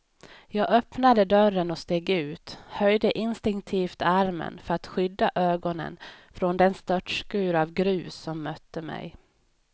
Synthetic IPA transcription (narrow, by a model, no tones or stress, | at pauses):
jɑːɡœpnad̪əd̪œɾənɔst̪eːɡʉ̟ːt̪hœjd̪əʔɪnst̪ɪŋkt̪ʰiːft̪aɾmə̰nfœɾat̪ɧʏd̪ːaʔøːɡɔnə̰nfɾɔnd̪ɛnst̪œʈʂkʉ̟ːɾavɡɾʉ̟ːsːɔmːœt̪ːəmɛ̰j